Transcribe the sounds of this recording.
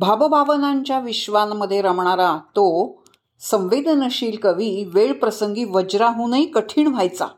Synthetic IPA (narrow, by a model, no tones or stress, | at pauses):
bʱabəbʱaʋənaɲt͡ɕjaʋiɕʋanmːəd̪ʱːjeɾəmɳaɾat̪o | sə̃w̃ʋed̪ʱnəɕiːlkəʋiʋeɭpɾəsəŋɡiːʋəd͡ʑɾaɦũnəikəʈʰiːɳʋ̤ʱajt͡sa̰